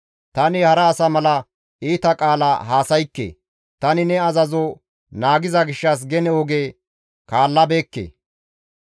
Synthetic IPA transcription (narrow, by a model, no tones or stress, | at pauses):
t̪ɐnɪhɐɾɐːsɐmɐlɐ | iːt̪ɐkʼaːlaɦaːsɐjkːḛː | t̪ɐnɪnɛɐzɐzɔ | naːɡɪzɐɡɪʃːɐs̬ɡɛnɛwɔɡeː | kaːlːɐbeːkːḛː